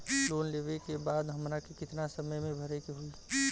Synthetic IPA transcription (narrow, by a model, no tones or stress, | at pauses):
lonlebekebaːd̪ɦəmɾakekɪt̪nasəməjmẽbʱəɾɛkeɦol